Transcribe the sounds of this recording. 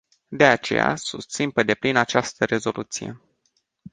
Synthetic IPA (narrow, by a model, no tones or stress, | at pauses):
d̪e̞at͡ʃe̞ja̰sust̪sinpe̞d̪e̞plinat͡ʃast̪əɾe̞zo̞lʔut̪sije̞̰